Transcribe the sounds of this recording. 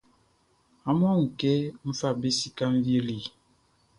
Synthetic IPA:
a˦mɔ˦ŋ̩˨ke˦m̩˦fa˦˨be˦si˦ka˦m˦vje˦li˨

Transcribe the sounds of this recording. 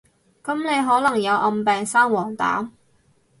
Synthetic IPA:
kɐ˨˥mne˨˧jɦɔː˨˥lɐ˨˩ŋjɐ˨˧wʔɐ˧mpɛː˨ŋsaː˥ŋwɔː˨˩ŋt̪a̰ː˨˥m

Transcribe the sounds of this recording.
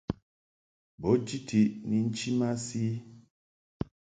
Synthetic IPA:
bɔ˨˦d͡ʒi˦tʰi˨ʔni˨n̩˦t͡ʃi˦ma˦si˦

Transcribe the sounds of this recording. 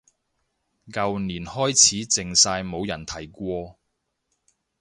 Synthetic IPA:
kɐ˨wniː˨˩nhɔː˥jt͡sʰiː˨˥t͡sɪ˨ŋsaː˧jmo˨˧wjɐ˨˩nt̪ʰɐ˨˩jkʷɔː˧

